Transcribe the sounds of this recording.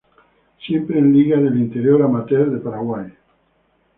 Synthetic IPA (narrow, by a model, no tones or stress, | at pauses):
sjempɾeːnliɣaðelint̪eɾjoɾamat̪eɾðepaɾaɣwaj